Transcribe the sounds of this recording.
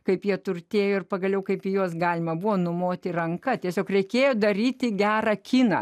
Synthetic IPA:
kɐɪpjiɛt̪ʊrʲt̪ʲeːjoːɪrpɐɡɐlʲɛʊkɐɪpɪjuɔsɡɑːlʲɪmɐbʊʋoːnʊmoːt̪ʲɪrɐŋkɐt̪ʲiɛsʲoːkrʲɛɪkʲeːjod̪ɐɾʲiːt̪ʲɪɡʲæːɾɐkʲiːnɐ̰

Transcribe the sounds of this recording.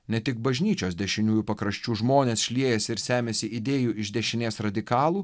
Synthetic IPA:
nʲɛt̪ʲɪk̚bɐʒʲnʲiːt͡ʃʲoːsd̪ʲɛʃʲɪnʲuːjuːpɐkɾɐʃʲt͡ʃʲuːʒmoːnʲeːsʃʲlʲiɛjɛsʲɪɾsʲæːmʲeːsʲɪɪd̪ʲeːjuːɪʒʲd̪ʲɛʃʲɪnʲeːsɾɐd̪ʲɪkɑːlˠuː

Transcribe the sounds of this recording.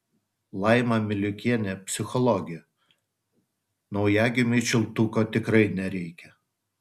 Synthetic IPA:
lˠɑˑɪmɐmʲɪlʲʊkʲiɛnʲɛpʲsʲɪxɔlˠɔɡʲɪj | nɒʊjæːɡʲɪmʲɪʃʲɪlˠt̪ukot̪ʲɪkɾɐɪnʲɛɾʲɛɪkʲɛ

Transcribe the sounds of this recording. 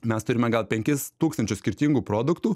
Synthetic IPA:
mʲɛst̪ʊɾʲɪmʲɛɡɐlˠpʲɛŋʲkʲɪst̪uːkst̪ɐnʲt͡ʃʲʊssʲkʲɪɾʲt̪ʲiːŋɡuːpɾoːd̪ʊkt̪uː

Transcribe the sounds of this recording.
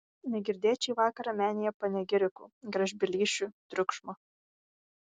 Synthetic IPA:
nʲɛɡʲɪɾʲd̪ʲeːt͡ʃʲɛːʋɑːkɐɾɑːmʲæːnʲɪjɛpɐnʲɛɡʲɪɾʲɪkṵːɡɾɐʒʲbʲɪlʲiːʃʲut̪ʲɾʲʊkʃmɐ

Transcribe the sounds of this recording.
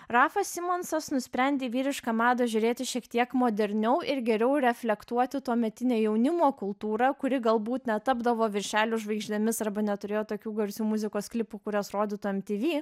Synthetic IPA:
rɑːfɐsʲsʲɪmoːnsɐsnʊsʲpʲɾʲɛnʲd̪ʲeːʋʲiːɾʲɪʃkɐmɑːd̪oːʒʲʊɾʲeːt̪ʲɪʃʲiɛkt̪ʲiɛkmoːd̪ʲɛɾʲnʲɛʊʔɪɾɡʲɛɾʲɛʊɾʲɛfʲlʲɛkt̪uɔt̪ʲɪt̪uɔmʲɛt̪ʲɪnʲeːjɛʊnʲɪmoːkʊlˠt̪uːɾɑkʊɾʲɪɡɐlˠbuːt̪nʲɛt̪ɑbd̪ɐʋoːʋʲɪɾʲʃʲæːlʲuʒʋɐɪɡʒʲd̪ʲɛmʲɪsɐɾbɐnʲɛt̪ʊɾʲeːjoːt̪oːkʲuːɡɐɾʲsʲuːmʊzʲɪkoːsklʲɪpukʊɾʲɛsɾoːd̪ʲɪt̪uːɛmʲt̪ʲiːʋʲiː

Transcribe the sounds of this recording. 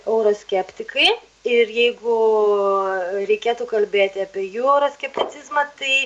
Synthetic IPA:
ɛʊɾoːsʲkʲɛpʲt̪ʲɪkɐɪ | ɪɾjɛɪɡʊ | ɾʲɛɪkʲeːt̪uːkɐlʲbʲeːt̪ʲɪɐpʲiɛjuːɛʊɾoːsʲkʲɛpʲt̪ʲɪt̪t͡s̪ʲɪzmɐt̪ɐɪ

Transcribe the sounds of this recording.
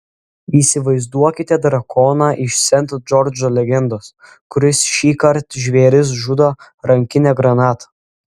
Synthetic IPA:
iːsʲɪʋɐɪzd̪uɔkʲɪt̪ʲɛd̪ɾɐkʰoːnɑːʔɪʃsʲɛnt̪ːd͡ʒɔɾd͡ʒoːlʲɛɡʲɛnd̪oːs | kʊɾʲɪsʃʲiːkɐɾt̪ʒʲʋʲeːɾʲɪs̬ʒʊd̪oː | ɾɐŋʲkʲɪnʲɛːɡɾɐnɑːt̪ʰɐ̥

